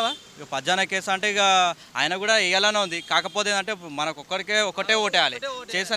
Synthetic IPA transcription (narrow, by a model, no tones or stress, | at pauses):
a | pɐd͡ʒaːnɐkeːsaːɐɳʈeɡa | a̰ːjɐnɐkuːɽaːɛjɐlɐneːund̪ikaːkɐpoːt̪eːnɐɳʈe̞ːmɐnɐkɔkːɐɾikeːɔkːɐʈe̞ːoːʈɛjaːlit͡ʃeːsɐ